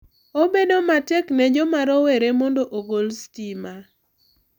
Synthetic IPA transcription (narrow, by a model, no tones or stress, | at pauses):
obedomatɛknɛd͡ʒomaɾɔweɾemɔndoʔoɡolstima